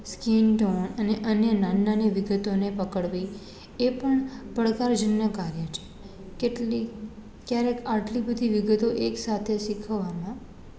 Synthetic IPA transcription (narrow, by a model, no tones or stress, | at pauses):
skinʈonəneʔənjənanːanəʋiɡət̪onepəkəɭʋi | epəɳpəɭkaɾd͡ʒənːəkaɾjət͡ʃʰe̥ | keʈli | kjaɾekaʈlibəd̪ʱiʋiɡət̪oʔeksat̪ʰeʃikʰəʋːamã